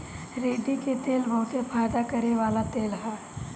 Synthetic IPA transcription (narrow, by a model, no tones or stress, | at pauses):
ɾeːɖitket̪eːlbəɦʊt̪efaːjd̪akɐɾeʋaːlat̪eːlɦɛː